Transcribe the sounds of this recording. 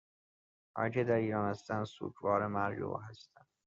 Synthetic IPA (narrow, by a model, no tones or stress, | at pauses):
ʔɒ̰ːcʰed̪æɾiːɾɒːnhæst̪ænd̪sṵːkʰvɒːɾemæɾjo̰ɦæst̪ænd̪